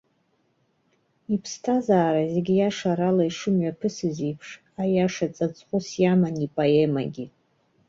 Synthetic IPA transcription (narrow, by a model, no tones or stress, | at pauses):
ipʰstʰazaːɾazeɡʲijaʂaɾalaiʂɨmɥapʰɨsɨzipʰʂ | ajaʂat͡sʼat͡sʼχʷʊsjamanipʼoema̰ɡʲi